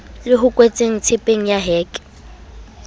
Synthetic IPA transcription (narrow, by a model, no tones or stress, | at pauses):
lɪɦʊkʼwet͡sʼeŋ̩t͡sʰɪpʼeŋ̩jaɦɛːkʼ